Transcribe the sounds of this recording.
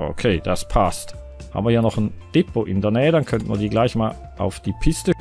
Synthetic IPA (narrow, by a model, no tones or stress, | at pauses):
ʔo̰kʰeːd̥aspʰast | ha̰bm̩viːɐjiːɐnɔχn̩d̥ɪpoʔɪndeːɐnɛːədankʰœntən̩vḭːɐdiːɡlaɪçmaːl | ʔa̰ʊfd̥iːpʰɪstə